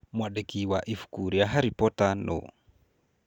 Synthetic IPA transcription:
mwaɗekiwaʔifu̥kuɾiaɦaɾipɔtano̰

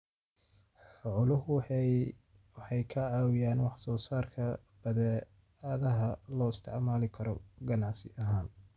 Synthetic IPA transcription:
ħʊʕʊlʊɦʊ | wɑħɑjkʰɐʕɑːwɪjaːnwɑħsɔːsaːrkʰɐ | b̥ɐðɛ | aːðɐɦɐlɔːɪst̪ʰɪʕmaːlɪkʰɐɾɔɡɐnɑʕsɪʔɐɦaːn

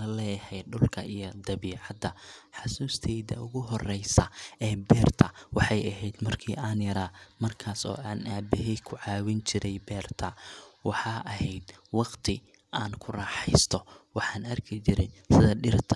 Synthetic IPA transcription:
ɐlɛːjɐhɛjɖʊlkʰɐʔijɔd̪ɐβiːʕɑd̪ɐħɑsuːst̪ʰɛjd̪ɐ̰ʔʊɣʊɦɔrɛjsɐɛːbɛːrt̪ʰɐwɑħɑjɐɦɛjd̪mɐrkʰḭːʔaːnjɐɾaːmɐrkʰaːsɔ̰ːʔaːnaːbɪɦɛjkʰʊʕɑːwɪnt͡ʃɪɾʔɛjbɛːrt̪ʰɐwɑħɑːʔɐɦɛjd̪wɑqt̪ʰɪ | ʔaːnkʰʊrɑːħɛjst̪ʰɔwɑħɑːnɐrkʰɪt͡ʃɪɾɪnsɪðɐɖɪrt̪ʰɐ

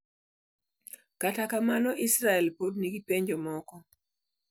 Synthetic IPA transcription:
katakamanɔʔisɾaɛlpodniɡipeɲd͡ʒɔmɔkɔ

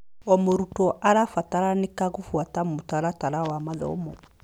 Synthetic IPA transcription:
ɔmoɾutɔʔalafataɾanikaɡufuatamutaɾataɾawamadɔ̰o̰mɔ

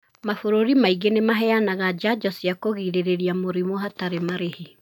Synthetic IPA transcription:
mafoɾoɾimaiɡenemaɦɛanaɣad͡ʒad͡ʒɔsjakoɣiɾeɾeɾiamoɾimoɦataɾemaɾehi

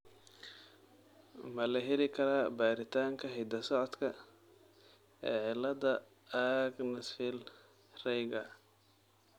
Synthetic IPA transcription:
mɐlɐɦɛlɪkʰɐɾaːbaːɾɪt̪ʰaːŋkʰɐɦɛd̪ɐsɔʕɔd̪kʰɐ | ɛːʕɪlːɐd̪ɐ | aɡnɪsfɪl | rɛjɡɐ

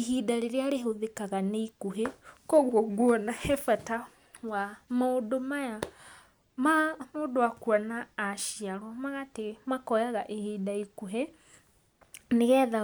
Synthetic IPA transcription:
eɦidaɾeɾeaɾeɦoðekaɣaneikuɦekɔɣwɔɣwɔnahɛfata | wamaodomaja | mamoːdowakwanaːʃiaɾwɔmaɣatemakɔjaɣaʔehiːdaikuɦe | neɣɛːða

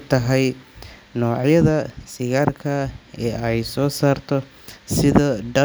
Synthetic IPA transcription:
t̪ʰɐɦɛjnɔːʕjɐðɐsɪɣaːrkʰɐɛːɛjsɔːsaːrt̪ʰɔ | sɪðɐɖɐ

